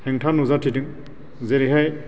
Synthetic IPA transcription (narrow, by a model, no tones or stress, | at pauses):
heŋtʰanuzatʰidɯŋ | zeɾiɦaj